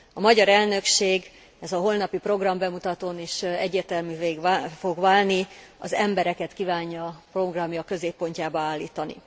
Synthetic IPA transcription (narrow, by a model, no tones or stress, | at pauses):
ɒmɒɟɒɾɛlnø̞kʃeːɡ | ɛzɒɦo̞lnɒpipro̞ɡrɒmbɛmut̪ɒt̪oːneːʃɛɟːeːrt̪ɛlmyːveːɡfo̞ɡʋaːlniɒ̰zɛmbɛɾɛkɛt̪kivaːɲːɒːpro̞ɡrɒmjɒkːø̞zeːpːo̞ɲcaːbɒaːlːiːt̪ɒnḭ